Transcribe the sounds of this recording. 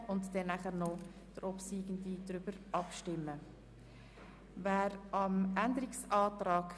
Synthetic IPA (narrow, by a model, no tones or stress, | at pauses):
ʊntd̥ɛnæχəʁnɔ | d̥əɾʔɔpsiːɡən̩did̥ɾʏb̥əɾɑpʃtɪmːə | væːɾɑmændəɾiksɑːtɾɑːk